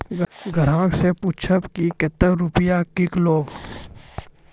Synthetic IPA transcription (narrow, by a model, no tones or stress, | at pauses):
ɡʱəɾãːksepʊt͡ʃʰəpkiket̪əɾʊpɪjakɪkloːɡ